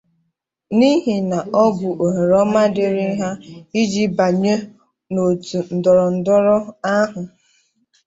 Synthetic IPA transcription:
ni˦ɦi˨na˨ʔɔ˦ɡʷʊ˨ʔo˨ɦe˨ɾɔ˦ma˦dɪ˨ɾɪ˦ɦa˦i˦d͡ʒi˦ba˨ɲe˦ | no˨tu˨n̩˨dɔ˨ɾɔ˨n̩˨dɔ˦ɾɔ˦a˦ɦʊ˨

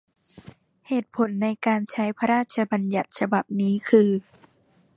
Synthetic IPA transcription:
heː˨˩t̪̚pʰo˩˦nːa˧jkaː˧nt͡ɕʰa˦˥jpʰa˧ɾaː˥˩t̪̚t͡ɕʰa˧ba˧nja˨˩t̪̚sʰa˧ba˨˩p̚niː˦˥kʰɯː˧

